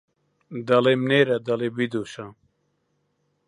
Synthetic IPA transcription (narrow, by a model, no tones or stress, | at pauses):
d̪ɐlemneːɾɐd̪ɐlebid̪oːʃaː